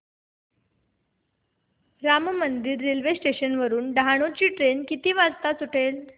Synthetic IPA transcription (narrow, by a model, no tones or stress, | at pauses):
ɾammənd̪iɾːelʋesʈeɕənʋəɾuːnɖʱaɽ̃ot͡ɕiːʈɾenkit̪iːʋad͡zt̪at͡suʈʰel